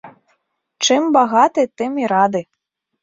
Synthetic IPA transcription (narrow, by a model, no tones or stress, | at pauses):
t͡ʂɨmbaɣat̪ɨt̪ɨmiɾad̪ɨ